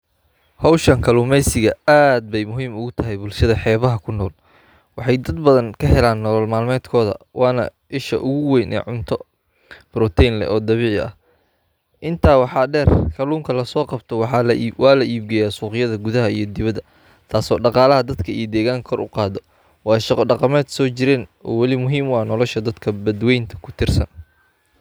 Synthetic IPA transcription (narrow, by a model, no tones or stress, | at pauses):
hɔwʃɐŋkʰɐluːmɛjsɪɣɐaːd̪̚bɛjmʊɦiːmʊɣʊt̪ʰɐɦɛjbʊlʃɐðɐħɛːβɐɦɐkʰʊnɔːl | wɑħɑjd̪ɐd̪bɐðɐŋkʰɐɦɛlaːnːɔlɔlmaːlmɛːd̪kʰɔːðɐ̰wʔɑːnɐ̰ | ɪʃɐ̰ʔʊɣʊwɛjnʔɛ̰ʕʊnt̪ʰɔ | b̥ɾɔt̪ʰɛjnlɛ̰ʔɔːd̪ɐβiːʕɪɐ̰h | ʔɪnt̪ʰaːwɑħɑːɖɛːrkʰɐluːŋkʰɐlɐsɔːqɑbt̪ʰɔwɑħɑwɑːlɐʔiːb̚ɡɛjaːsuːqɪjɐðɐɡʊðɐɦɐijɞd̪ɪβɐd̪ɐ | t̪ʰaːsɔːɖɑqɑːlɐɦɐd̪ɐd̪kʰɐijɔd̪ɛːɣaːŋkʰɔrʔʊ̰qɑːðɔ | wɑːjʃɑqɔɖɑqɑmɛːd̪sɔːt͡ʃɪɾɛːnɔ̰ːwɑlɪmʊɦiːmwɑːnɔlɔʃɐd̪ɐd̪kʰɐbɐd̪wɛjnt̪ʰɐ̥kʰʊ̥t̪ʰɪrsɐ̰n